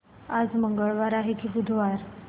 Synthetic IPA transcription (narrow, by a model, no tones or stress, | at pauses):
ad͡zməŋɡəɭʋaɾaɦekʰiːbud̪ʱʋaɾ